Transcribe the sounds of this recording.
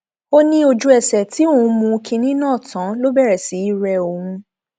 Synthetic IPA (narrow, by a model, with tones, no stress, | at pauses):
o˦nĩ˧o˧d͡ʒu˧˦ɛ˨sɛ˨ti˨˦õ˦˨˧mũ˧kʰĩ˧nĩ˦nãː˦˨tã˨˦lo˦bɛ˦˨ɾɛ˨si˨˦i˦˨ɾɛ˧o˧hũ˧